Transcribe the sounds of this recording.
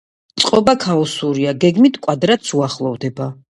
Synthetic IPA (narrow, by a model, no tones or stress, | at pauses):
t̪sʼqʼɔbakʰaɔsuɾiaɡɛɡmit̪ʰkʼwad̪ɾat̪sʰuaχlˠɔvd̪ɛba